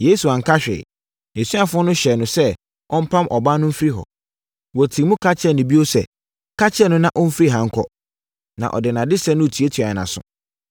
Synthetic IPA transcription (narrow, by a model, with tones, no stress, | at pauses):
jeː˦su˨ã˨ŋ̩˨kʰa˦ɕᶣɛ̰ː˨ | e˨sũ˦a˨fʊ̃˦ɔ˦nʊ̃˦ɕɛ˨nʊ̃˨sɛ˦ | ɔ˦m̩˦pʰã˦mʔɔ˨ba˦nʊ̃˦m̩˦fɾi˦ɦɔ̰˨ | wɔ˨tʰĩ˨mʊ̃˦kʰa˦t͡ɕʰɛ˦nʊ̃˨bi˦o˦sɛ̰˨ | kʰa˦t͡ɕʰɛ˦nʊ̃˦nã˨ʔɔ˦m̩˦fɾi˦ɦã˨ŋ̩˦kʰɔ̰˦ | nã̰˨ʔɔ̰˨dɪ˨nã˨dɪ˦sɛ˦nʊ̃˦˨tʰi˨˦e˦tʰi˨a˨nã̰˨sʊ̰̃˨